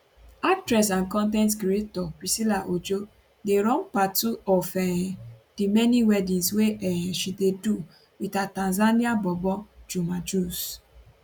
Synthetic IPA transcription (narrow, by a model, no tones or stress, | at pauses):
ak̚tɾɛs̬ãnkɔ̃nt̬ɛ̃ntɡɾetɔpɾisilaʔod͡ʒo | deɾɔ̃npatuɔfɛdimɛniwɛdĩnsweɛʃidedu | witatãnzaniabɔbɔd͡ʒumad͡ʒus